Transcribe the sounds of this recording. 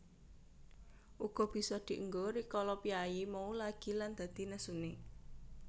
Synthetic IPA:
ʔuɡ̥ɔ̤b̥i̤sɔd̪̥i̤ʔəŋɡoɾikɔlɔpjaimɔulaɡ̥i̤land̪̥a̤d̪̥i̤nəsune

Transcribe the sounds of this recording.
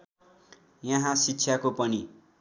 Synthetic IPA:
jʌɦãsitːsʰjakopʌni

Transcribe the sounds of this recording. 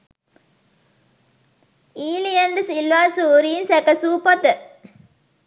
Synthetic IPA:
iːlijɐndɨsilʋaːnsuːɾiːnsɛkɐsuːpɐt̪ə

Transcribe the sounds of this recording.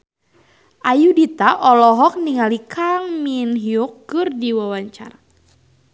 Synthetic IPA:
ʔajudit̪aʔɔlɔɦɔk̚niŋalikʰaŋminɦiukːɨrdiwawaɲt͡ʃa̰ra

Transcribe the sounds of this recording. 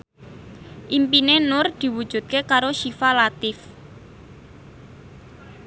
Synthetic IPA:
ʔimpinenʊrd̪̥i̤wud̥ʒ̥ṳt̪̚kekaɾoʃifalat̪ɪf

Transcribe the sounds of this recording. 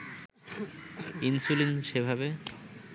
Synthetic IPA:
insulinʃebʱabe

